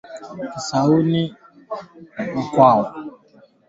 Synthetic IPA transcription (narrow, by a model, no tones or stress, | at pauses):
kisawunɪ | akʷawʊ